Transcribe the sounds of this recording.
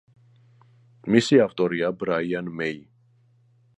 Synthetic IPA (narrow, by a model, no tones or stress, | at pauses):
misiavt̪ʼɔɾiabɾaianmɛi